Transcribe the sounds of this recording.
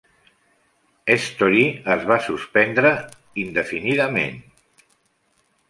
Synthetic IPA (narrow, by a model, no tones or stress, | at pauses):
est̪oɾiəzβasuspɛnd̪ɾə | ind̪əfiniðəmḛn